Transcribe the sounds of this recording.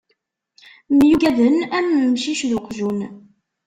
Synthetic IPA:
mjuɡæðənæmːəmʃiʃðʊqːʒun

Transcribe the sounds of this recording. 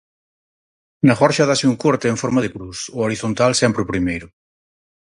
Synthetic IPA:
naxɔɾʃaðasiuŋkoɾt̪eeɱfɔɾmaðepɾusʊoɾiθont̪alsɛmpɾeʊpɾimejɾʊ

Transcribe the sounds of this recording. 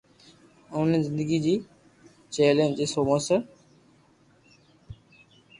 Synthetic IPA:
ʊ̃nizɪ̃nd̪əɡid͡ʑiː | t͡ɕeːlẽːnd͡ʑeːsoːmosə

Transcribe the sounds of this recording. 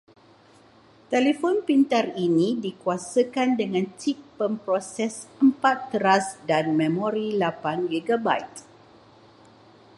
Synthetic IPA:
t̪elefɔnpint̪arinĩdikuasəkandəŋãnt͡ʃipːəmpɾɔsɛsəmpat̪ːəɾasdanmɛ̃mɔɾilapaŋɡeɡabajt̪

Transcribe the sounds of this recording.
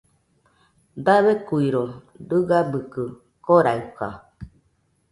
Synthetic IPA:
d̪aβekuiɾo | dɨɡabɨkɨ | koɾaɯka̰

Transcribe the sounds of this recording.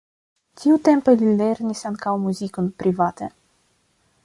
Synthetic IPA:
tiut̪e̞mpelile̞ɾnisaŋkawmuzikonpɾivat̪e

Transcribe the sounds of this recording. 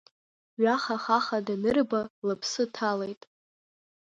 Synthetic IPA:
ɥaχaχaχadanɨrbalɨpʰsɨtʰale̞jtʼ

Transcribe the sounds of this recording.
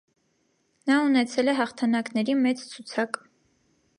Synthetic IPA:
nɑunɛt͡sʰɛlɛɦɑχt̪ʰɑnɑknɛɾimɛt͡st͡sʰut͡sʰɑk

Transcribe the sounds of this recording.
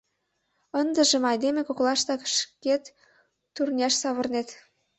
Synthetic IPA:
ənd̪ə̆ʒə̆mɑjd̪emekoklˠɑʃt̪ɑkʃket̪ː | urnʲɑʃsɑβɤ̆rnet̪

